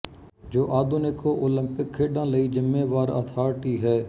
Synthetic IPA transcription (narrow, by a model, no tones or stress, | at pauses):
d͡ʒoːʔaːd̪onɪkoːʔoːlə̃mpɪkʰːeːɖãːləiːd͡ʒɪmːeːʋaːɾə̰ːt̪ʰaːɾʈiːɦɛː